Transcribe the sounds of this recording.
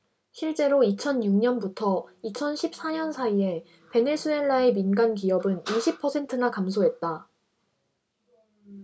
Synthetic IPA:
ɕʰiɭt͡ɕ͈e̞ɾoit͡ɕʰʌnjuŋɲʌnbutʰʌit͡ɕʰʌnɕʰip̚s͈aɲʌnsʰaie̞ | pe̞ne̞sʰue̞ɭːae̞minɡank̬ijʌbɯniɕʰipʰʌsʰe̞ntʰɯnakamsʰoɦe̞t̚t͈a

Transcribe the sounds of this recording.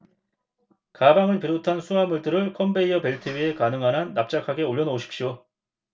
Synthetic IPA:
kabaŋɯɭpiɾotʰansʰuɦamuɭdɯɾɯɭkʰʌmbe̞iʌpe̞ɭtʰɯbɥie̞kanɯŋɦanɦanːap̚t͡ɕ͈akʰaɡe̞oʎːʌnʌoɕʰi̥kpɕ͈jo

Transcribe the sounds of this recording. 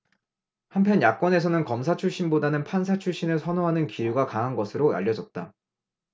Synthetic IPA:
hampʰjʌnjak̚k͈wʌnesʰʌnɯnkʌmsʰat͡ɕʰuɭɕ͈inbodanɯnpʰans̬ʰat͡ɕʰuɭɕ͈inɯɭsʰʌnoɦanɯnkijuɡakaɦanɡʌsʰɯɾoa̰ʎːʌd͡ʑʌt̚t͈a̰

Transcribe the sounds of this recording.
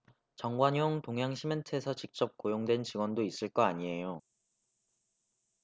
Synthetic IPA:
t͡ɕʌŋɡwaɲoŋtoŋɦjaŋɕʰimentʰɯesʰʌt͡ɕik̚t͡ɕ͈ʌp̚k͈ojoŋdwe̞nt͡ɕiɡwʌndois͈ɯɭk͈ʌaɲie̞jo

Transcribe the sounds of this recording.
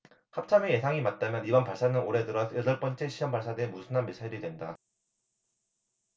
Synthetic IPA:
hap̚t͡ɕʰameje̞sʰaŋimat̚t͈amjʌnibʌnpaɭs͈anɯnoɾe̞dɯɾʌsʰedʌɭp͈ʌnt͡ɕ͈eɕʰijʌmpaɭs͈adwe̞nmusʰɯnanmesʰaiɾidwe̞nda

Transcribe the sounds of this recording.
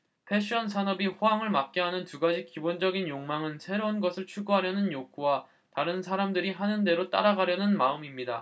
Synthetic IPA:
pʰe̞ɕ͈ʰʌnsʰanʌbiɸoaŋɯɭmak̚k͈eɦanɯntuɡad͡ʑik͈ibond͡ʑʌɡinjoŋmaŋɯnsʰe̞ɾounɡʌsʰɯɭt͡ɕʰuɡuɦaɾjʌnɯnjok͈ʰuwa | taɾɯnsʰaɾamdɯɾiɦanɯnde̞ɾot͈a̰ɾaɡaɾjʌnɯnmaɯmimɲida

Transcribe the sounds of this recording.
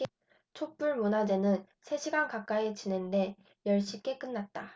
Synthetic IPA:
t͡ɕʰok̚p͈uɭmunad͡ʑe̞nɯn | sʰe̞ɕʰiɡankak͈aet͡ɕine̞nde̞ | jʌɭɕ͈ik͈e̞k͈ɯnːat̚t͈a

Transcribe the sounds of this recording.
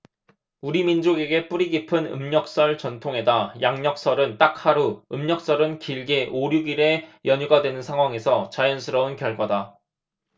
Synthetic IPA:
uɾimind͡ʑoɡe̞ɡe̞p͈uɾiɡipʰɯnɯ̰mɲʌk̚s͈ʌɭt͡ɕʌntʰoŋe̞dajaŋɲʌk̚s͈ʌɾɯnt͈ak̚haɾuɯmɲʌk̚s͈ʌɾɯnkiɭɡeʔoɾjuɡiɾe̞jʌɲuɡadwe̞nɯnsʰaŋɦwaŋe̞sʰʌt͡ɕajʌnsʰɯɾʌunkjʌɭɡwada

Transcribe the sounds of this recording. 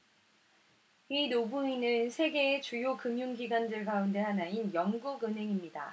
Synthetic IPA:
inobuinɯnsʰe̞ɡe̞ːt͡ɕujokɯmjuŋɡiɡwandɯɭɡaunde̞hanainjʌŋɡuɡɯnɦe̞ŋimɲida̰

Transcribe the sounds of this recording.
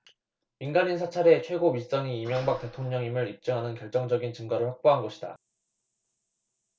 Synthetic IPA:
minɡaninsʰat͡ɕʰaɾe̞t͡ɕʰwe̞ɡomis͈ʌŋiːmjʌŋbak̚t͈e̞tʰoŋɲʌŋimɯɾip̚t͡ɕ͈ɯŋɦanɯnkjʌɭt͡ɕ͈ʌŋd͡ʑʌɡint͡ɕɯŋɡaɾɯɭɸwak̚p͈oɦanɡʌɕʰida̰

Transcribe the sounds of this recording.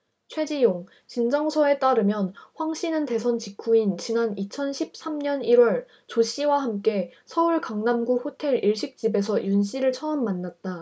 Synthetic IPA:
t͡ɕʰwe̞d͡ʑijoŋ | t͡ɕind͡ʑʌŋsʰʌe̞t͈aɾɯmjʌnɸwaŋɕ͈ʰinɯnte̞sʰʌnt͡ɕikʰuint͡ɕinanit͡ɕʰʌnɕʰip̚s͈amɲʌniɾwʌɭ | t͡ɕoɕ͈ʰiwahamk͈e̞sʰʌuɭkaŋnamɡuɸotʰe̞ɾiɭɕ͈ʰik̚t͡ɕ͈ibe̞sʰʌjunɕ͈ʰiɾɯɭt͡ɕʰʌʌmːanːat̚t͈a

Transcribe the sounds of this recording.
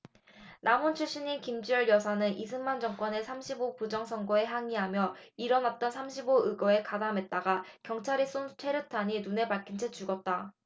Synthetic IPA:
namont͡ɕʰuɭɕ͈iɲinkimd͡ʑiʌɭjʌsʰanɯnʔisʰɯnmand͡ʑʌŋk͈wʌne̞sʰamɕʰibopud͡ʑʌŋsʰʌŋɡoe̞ɦaŋiɦamjʌiɾʌnat̚t͈ʌnsʰamɕʰiboɯɡʌe̞kadame̞t̚t͈aɡakjʌŋt͡ɕʰaɾis͈ontʰe̞ɾɯtʰaɲinune̞paɭk͈ʰint͡ɕʰet͡ɕ͈uɡʌt̚t͈a

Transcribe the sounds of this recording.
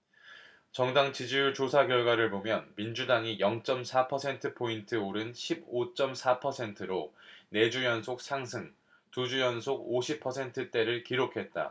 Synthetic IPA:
t͡ɕʌŋdaŋt͡ɕid͡ʑiuɭt͡ɕosʰaɡjʌɭɡwaɾɯɭbomjʌnmind͡ʑudaŋijʌŋt͡ɕ͈ʌmsʰapʰʌsʰe̞ntʰɯpʰointʰɯoɾɯnɕʰibot͡ɕ͈ʌmsʰapʰʌsʰe̞ntʰɯɾone̞d͡ʑujʌnsʰok̚sʰaŋsʰɯŋ | tud͡ʑujʌnsʰoɡoɕʰipʰʌsʰe̞ntʰɯt͈e̞ɾɯɭkiɾokʰe̞t̚t͈a̰

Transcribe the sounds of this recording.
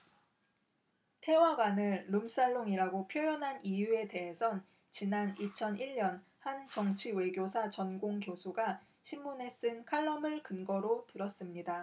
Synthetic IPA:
tʰe̞waɡwanɯɭːums͈aɭːoŋiɾaɡopʰjojʌnɦanijue̞te̞ɦesʰʌn | t͡ɕinanit͡ɕʰʌniɭɲʌn | hant͡ɕʌŋt͡ɕʰiwe̞ɡjosʰat͡ɕʌnɡoŋkjosʰuɡa | ɕʰimːune̞s͈ɯnkʰaɭːʌmɯɭkɯnɡʌɾotɯɾʌs͈ɯmɲida

